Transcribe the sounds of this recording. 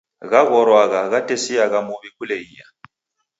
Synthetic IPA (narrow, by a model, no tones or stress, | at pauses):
ɣaɣɔɾwaɣaɣatʼesiaɣamuβikʰuleiːja̰